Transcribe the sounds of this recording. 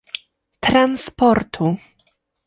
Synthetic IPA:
t̪ɾanspɔɾt̪ʰu

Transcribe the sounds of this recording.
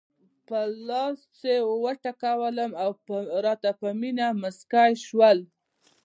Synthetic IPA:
pəlɑst͡sewəʈakawələmawɾɑt̪apəminaməskɑjʃwəl

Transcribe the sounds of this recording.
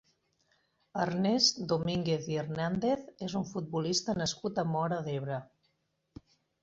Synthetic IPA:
əɾnezd̪omiŋɡeθiernand̪eθezuɱfut̪̚bulist̪ənəskut̪əmɔɾəðeβɾə

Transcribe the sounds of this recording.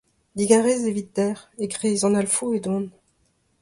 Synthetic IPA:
d̪iɡaʁɛzevit̪̚d̪ɛʁeɡʁeːzɑ̃nalfued̪ɔ̃n

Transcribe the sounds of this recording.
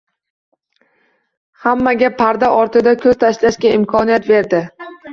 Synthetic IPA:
hamːaɡʲapʰːaɾd̪aʔɒɾt̪ɪd̪akʲʰɵz̥t̪ʰaʃlaʃkʲaɪmkʰɒnijat̪ve̞ɾd̪ɪ

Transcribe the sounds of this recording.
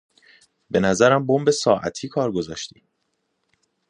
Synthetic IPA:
be̞næzæɾæmbombe̞sɒːʔæ̰t̪ʰiːkʰɒːɾɡozɒːʃt̪i̥ː

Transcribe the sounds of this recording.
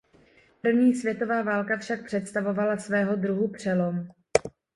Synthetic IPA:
pr̩vɲiːsvjɛt̪o̞vaːvaːlkafʃak̚pr̥ɛt̪st̪avo̞valasvɛːɦo̞dɾuɦupr̝̥ɛlo̞m

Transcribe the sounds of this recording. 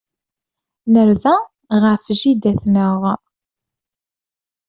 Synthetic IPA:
nəɾzæ | ʁəfʒid̪æθnəʁ

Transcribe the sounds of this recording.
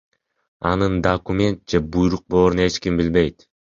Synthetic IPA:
ɑ̰nɯnd̪ɐkumʲe̞nt̪̚d͡ʒe̞bujɾuq̚bolˠoɾne̞t͡ʃkimbilbe̞jt̪

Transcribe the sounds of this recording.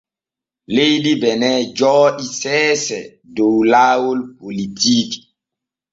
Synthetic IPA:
lejdibɛnɛd͡ʒɔːisɛːsɛ | dowlaːwolpolitiːk

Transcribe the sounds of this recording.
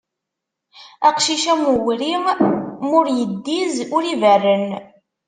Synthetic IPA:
æqʃiʃæmuɣɾi | mʊɾjəd̪ːizʊɾivərːən

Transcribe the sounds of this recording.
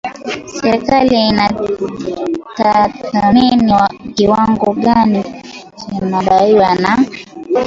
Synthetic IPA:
sɛɾkalina | tatameniwaɡiwaŋɡɔɡani | t͡ʃɛmabaiwana

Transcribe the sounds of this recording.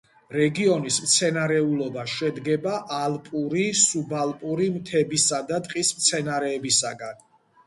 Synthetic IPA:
ɾɛɡiɔnismt̪sʰɛnaɾɛulˠɔbaʃɛd̪ɡɛbaʔalˠpʼuɾisubalˠpʼuɾimt̪ʰɛbisad̪at̪ʼqʼismt̪sʰɛnaɾɛːbisaɡan

